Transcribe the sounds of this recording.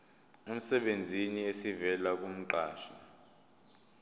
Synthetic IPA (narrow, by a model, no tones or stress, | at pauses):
um̩sɛɓend͡zʱiniesivɛlak̬um̩ǃaːʃa